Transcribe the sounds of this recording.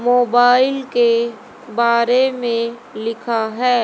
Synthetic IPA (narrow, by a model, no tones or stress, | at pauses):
moːbaːɪlke | baːɾemẽlɪkʰaɦɛː